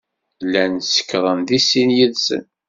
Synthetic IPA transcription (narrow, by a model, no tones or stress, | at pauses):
lːænsə̥kːɾˤənðisinjəðsə̰n